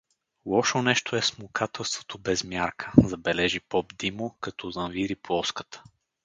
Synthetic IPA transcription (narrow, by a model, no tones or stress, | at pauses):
lˠɔʃonɛʃt̪oɛsmukʰat̪ɛlˠst̪vot̪obɛzmʲjaɾkʰə̥zɐbɛlɛʒipɔbd̪imokɐt̪ɔzɐnviɾiplˠɔskə̥t̪ə̥